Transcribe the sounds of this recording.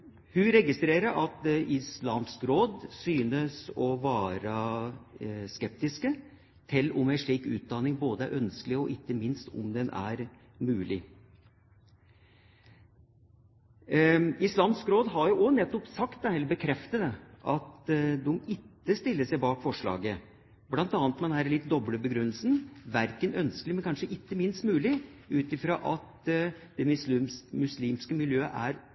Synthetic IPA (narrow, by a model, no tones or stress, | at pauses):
hʉɾɛɡɪst̪ɾeːɾəɾʔɑt̪ʔɪslɑːmskɾoːd̪syːnəsɔʋɑːɾə | skɛp̚t̪ɪskə | t̪ʰɪlːɔmæɪʂɭiːkʉ̰ːt̪̚d̪ɑnːɪŋboːd̪əæɾʔœnskəlɪɔʔɪkːəmɪnst̪ʊ̰md̪ɛnʔæ̰ɾ | mʉːlɪ | ɪslɑːmskɾoːd̪ɦɑɾjʊɔnɛt̪ːɔpsɑkt̪̚d̪ɛhɛləbəkʰɾɛft̪əd̪ɛʔɑt̪d̪ɛmɪt̪ːəst̪ɪlːəʂɛɪbɑːkfɔʂɭɑ̰ːɡə | blɑnt̪ɑːnət̪mɛnhæːɾəlɪt̪̚ːd̪ɔbləbəɡɾʉnːəlsn̩ʋæɾkənœnskəlmɛkʰɑnʂəʔɪt̪ːəmɪnst̪mʉːlɪʉːt̪ɪfɾɑ̰ːʔɑt̪d̪̥ɛmmʉsliːmskəmɪljøːə̰ʔæɾ